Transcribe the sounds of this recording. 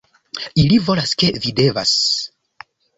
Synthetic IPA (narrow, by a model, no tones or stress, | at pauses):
ilivo̞laske̞vide̞va̰s